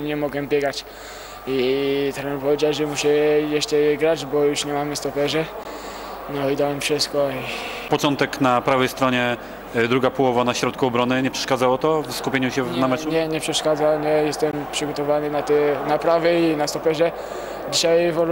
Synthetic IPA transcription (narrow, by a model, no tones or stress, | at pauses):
ɲɛmɔɡwɛmbʲjɛɡat͡ɕ | it̪ɾɛnpɔvʲjed͡ʑawʐɛmuɕɛjɛʂt͡ʂɛɡɾad͡ʑbɔjuʂɲɛmamɘst̪ɔpɛʐɛ | nɔid̪awɛmfʂɘst̪kɔi | pɔt͡ʂɔnt̪ɛknapɾavɛjst̪ɾɔɲɛ | d̪ɾuɡapɔwɔvanaɕɾɔt̪kuɔbɾɔnɘɲɛpʂɛ̥ʂkad̪zawɔt̪ɔvskupʲjeɲuɕɛnamɛt͡ʂuɲɛɲɛpʂɛʂkad̪zaɲɛjɛst̪ɛmpʂɘɡɔt̪ɔvanɘnat̪ɛnapɾavɛinast̪ɔpɛʐɛ | d͡ʑiɕajvɔɾ